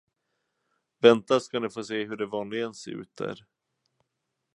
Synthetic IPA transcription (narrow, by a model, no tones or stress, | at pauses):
vɛnt̪askanɪfoːseːɦɵɖɛvɑːnlɪɡənsḛːɾʉ̟̰ːt̪̚d̪æ̰ɾ